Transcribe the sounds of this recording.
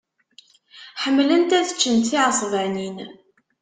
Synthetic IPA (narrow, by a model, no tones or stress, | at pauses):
ħəmːlənt̪æθə̥t͡ʃːənt̪θiʕəsˤvænin